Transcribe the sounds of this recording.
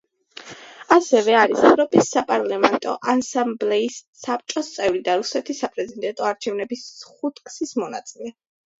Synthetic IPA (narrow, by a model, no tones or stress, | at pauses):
asɛvɛaɾisɛvɾɔpʼisːapʼaɾlamɛnt̪ʼɔ̰ʔansamblɛisːap̚t͡ʃʼɔst̪sʼɛvɾid̪aɾusɛt̪ʰisːapʼɾɛzid̪ɛnt̪ʼɔaɾt͡ʃʰɛvnɛbisχut̪ʰkʰʼsismɔna̰t̪sʼilɛ